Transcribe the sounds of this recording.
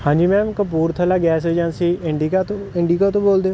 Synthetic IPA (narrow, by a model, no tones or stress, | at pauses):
hãːɲd͡ʒiːmɛ̃ːmkəp̬uːɾt̪ʰəːlaːɡɛːs̬eːd͡ʒə̃nsiːɪɳɖikat̪ːɪɳɖiːkaːt̪õːboːld̪eːoː